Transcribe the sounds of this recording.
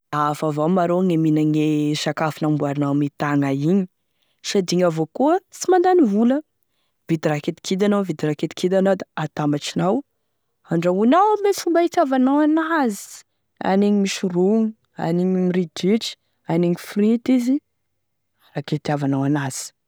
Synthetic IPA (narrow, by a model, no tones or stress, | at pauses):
afavawmaɾoŋeminaŋeʃakafunambuaɾinawmit̪aŋaiɲi̥ | sad̪iŋavokuət͡simand̪anivulə | vid̪iɾaket̪i̥kʰid̪anavid̪iɾaket̪i̥kʰid̪anawd̪aat̪amaʈ͡ʂinaw | aɳɖ͡ʐaunawmet͡sumbait̪javanawanazi̥ | a̰neɲimiʃuruŋu | a̰niɲimridiʈ͡ʂi̥ | aneŋifrit̪izi | raket̪iavanawanaz̥i̥